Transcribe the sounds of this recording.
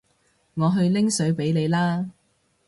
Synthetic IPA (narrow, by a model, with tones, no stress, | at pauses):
ŋɔː˨˧ɦɵ˧ɥlɪ˥ŋsɵ˨˥ɥpe˨˥jnle˨˧jlaː˥